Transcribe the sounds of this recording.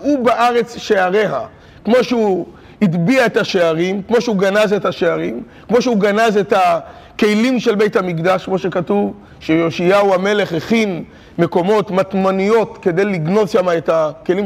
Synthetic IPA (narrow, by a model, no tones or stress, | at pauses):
ubaʔaʁe̞t͡sʃeaʁe̞ɦa̰ | kmo̞ʃeu | idbiaetaʃeaʁimkmo̞ʃeuɡanazetaʃeaʁim | kmo̞ʃeuɡanazeta | ke̞jlimʃe̞lbe̞jthamikd̪aʃkmo̞ʃe̞katuv | ʃejo̞ʃiauame̞le̞χeχin | me̞ko̞mo̞tmatmanijo̞tke̞d̪e̞jliɡno̞dʃamaetakelim